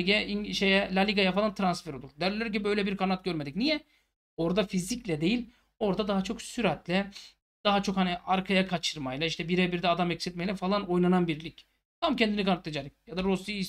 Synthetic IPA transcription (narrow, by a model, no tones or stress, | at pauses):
ɟɛiɲʃejɛlʲalʲiɡajafalˠant̪ʰɾansfeɾoluɾd̪ɛɾlʲlːʲæɾcibøjlʲɛbiɾkʰanat̪̚ɟ̥øɾmed̪icnijɛ | o̞ɾd̪afiziclʲɛd̪e̞jilʲ | o̞ɾd̪ad̪aɦat͡ʃʰo̞ksyɾɛt̪lʲɛ | d̪̥aɦat͡ʃʰo̞khaniaɾkʰajakʰat͡ʃʰɯɾmajlˠaiʃt̪ʰɛbiɾɛbiɾd̪ɛad̪amɛcsɛt̪̚mɛjlʲɛfalˠano̞jnananbiɾlʲic | t̪ʰamcʰɛnd̪inikʰanat̪lˠad͡ʒaɾɯkjad̪aɾosii